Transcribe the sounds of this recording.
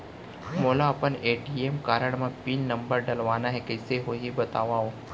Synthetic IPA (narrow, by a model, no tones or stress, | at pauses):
moːlaɐpəneːɖiemkaːɾəɳmãpiːnnːɐ̃mbəɾɖɐlʋaːnaɦɛkɐɪseɦoːɦibɐt̪aːʋaɦoː